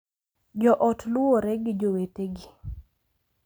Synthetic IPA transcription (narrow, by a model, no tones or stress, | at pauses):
d͡ʒɔʔɔtlʊwoɾɛɡɪd͡ʒoweteɡi